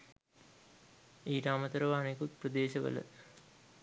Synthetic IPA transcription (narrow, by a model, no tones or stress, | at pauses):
iːʈamət̪əɾəʋəanekut̪̚prəd̪eːʃəʋə̰lə̰